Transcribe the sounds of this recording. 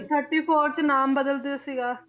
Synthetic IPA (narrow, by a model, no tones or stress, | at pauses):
t̪ʰəɾʈiːpʰoːɾt͡ʃnaːmbəd̪əlt̪easiɡaː